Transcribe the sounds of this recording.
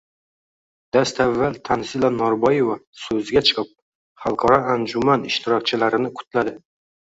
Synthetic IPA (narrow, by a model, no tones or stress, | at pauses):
d̪̥ast̪avːalt̪ʰansɪlanɒɾbɒjevasɵzɪɡʲat͡ʃʰɨ̥qʰɨp̚ | χɑlˠqʰɒɾɒand͡ʒʊmanɪʃt̪ʰɪɾɒk̚ʲt͡ʃʰɪlaɾɪnɪqʰʊ̥t̪ʰlad̪ɪ